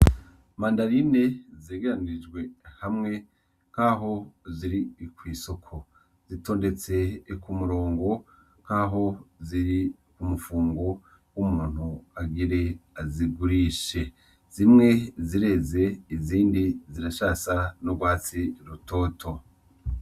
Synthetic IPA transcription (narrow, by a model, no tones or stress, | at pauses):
maːndaɾine̞zeɡeɾaniɾid͡ʒɡwe̞hamŋe̞ | ŋkaɦo̞ziɾikwiːso̞kʰo̞ | z̥ito̞ːnde̞t͡se̞kumuɾo̞ːŋɡo̞ | kaɦo̞ziɾi | kumufuːŋɡo̞ | wumuːn̥huaɡiɾe̞aziɡuɾiʃe̞ | z̥imŋe̞ziɾe̞ze̞iziːndiziɾaʃaːsanobɡwaːt͡siɾuto̞ːtʰo̞